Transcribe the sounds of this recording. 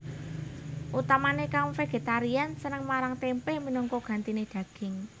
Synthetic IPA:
ʔut̪amanekawfeɡ̥e̤t̪aɾiansənəŋmaɾaŋt̪empeminɔŋkɔɡ̥ä̤nt̪ined̪̥ä̤ɡ̥ɪ̤ŋ

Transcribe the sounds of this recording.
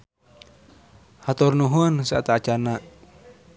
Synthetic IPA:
hat̪ɔrnuɦunsaat̪at͡ʃanaʔ

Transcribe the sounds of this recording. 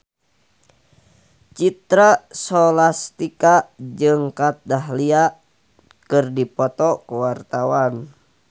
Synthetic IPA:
t͡ʃit̪ɾasɔlast̪ikad͡ʒɨŋkat̪̚daɦlia | kɨrdipɔt̪ɔkuwart̪awan

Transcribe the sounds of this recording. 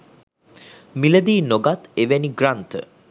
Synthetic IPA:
miləd̪iːnoɡat̪eʋeniɡrant̪ə̰

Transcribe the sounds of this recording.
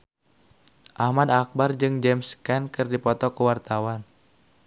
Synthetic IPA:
ʔahmadak̚bard͡ʒɨŋd͡ʒɛmskɛnkɨrdipɔt̪ɔkəwart̪awan

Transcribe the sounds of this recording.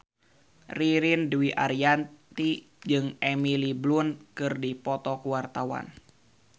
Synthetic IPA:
riɾindwiʔa̰ɾiant̪i | d͡ʒɨŋɛmiliblunkɨrdipɔt̪ɔkuwart̪awa̰n

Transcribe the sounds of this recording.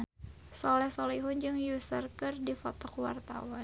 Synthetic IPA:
sɔlɛhsoliɦʊnd͡ʒɨŋjusərkɨrdifɔt̪ɔkuwa̰rt̪a̰wa

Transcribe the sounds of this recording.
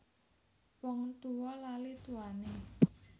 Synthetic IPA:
wɔŋt̪uwɔlalit̪uane

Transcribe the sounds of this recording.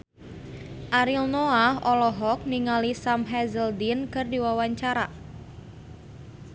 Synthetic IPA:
ʔaɾilnoaɦɔlɔɦɔk̚niŋalisamɦɛzəldinkɨrdiwawaɲt͡ʃaɾa

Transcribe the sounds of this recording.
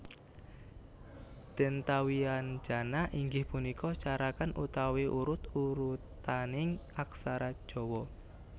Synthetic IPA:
d̪̥ɛnt̪awian̥d͡ʒ̥a̤naʔiŋɡɪhpunikɔt͡ʃaɾakanʔut̪aweʔuɾʊt̪uɾut̪anɪŋaksaɾḁʒ̥ɔ̤wɔ

